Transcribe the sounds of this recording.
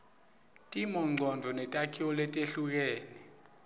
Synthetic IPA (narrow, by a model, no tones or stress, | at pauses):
tʼimɔŋ͡ǀʱɔnd͡vʱɔnɛtʼakʰiwɔlɛtʼeɬuk̬eːni